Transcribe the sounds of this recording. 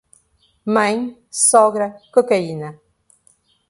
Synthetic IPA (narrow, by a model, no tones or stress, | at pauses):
mɐ̃j̃ | sɔɣɾɐkokɐinɐ